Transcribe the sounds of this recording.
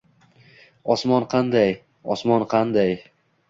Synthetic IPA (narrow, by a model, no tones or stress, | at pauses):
ɒsmɒnqʰɑnd̪aj | ɒsmɒnqʰɑnd̪aj